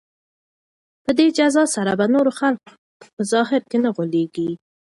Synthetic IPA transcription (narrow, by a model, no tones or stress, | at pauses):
pəd̪ed͡ʒazɑsaɾabanoɾoxalk̚ | pəzɑɦɪɾkenaɣoleɡi